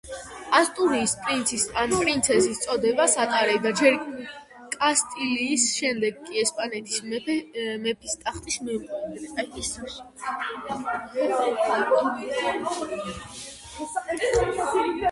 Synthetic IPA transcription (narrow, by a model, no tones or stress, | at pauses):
ast̪ʼuɾiːspʼɾint̪sʰisanpʼɾint̪sʰɛsist̪sʼɔd̪ɛbasat̪ʼaɾɛd̪ad͡ʒɛɾ | kʼast̪ʼiliːsʃɛmd̪ɛɡkʼiɛspʼanɛt̪ʰi̥s | mɛpʰist̪ʼaχt̪ʼismiuqʼɛɡ̪ɾɛt̪ʼais